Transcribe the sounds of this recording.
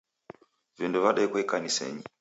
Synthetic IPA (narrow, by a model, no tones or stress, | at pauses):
vinduvaɗɛkwɛkanisɛ̰ɲi